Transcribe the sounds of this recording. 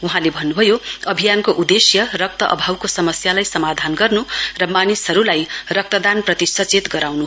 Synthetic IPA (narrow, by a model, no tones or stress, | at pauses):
uɦãlebʱʌnːubʱʌjoʌbʱijankoʔud̪esjʌrʌk̚t̪ʌʔʌ̰bʱawkosʌmʌsjalajsʌmad̪ʱanɡʌrnurʌmanisɦʌɾulajrʌk̚t̪ʌd̪anprʌt̪isʌt͡set̪ɡʌɾawnu